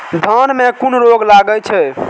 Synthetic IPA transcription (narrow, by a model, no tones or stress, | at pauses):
d̪ʱənmekunɾoɡlaɡəlt͡ʃʰɛ